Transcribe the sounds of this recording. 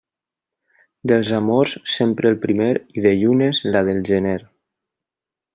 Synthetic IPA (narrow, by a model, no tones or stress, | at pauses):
d̪elˠzamoɾssempɾʔeːlpɾimeɾiðeʎunezlaðelˠʒeneɾ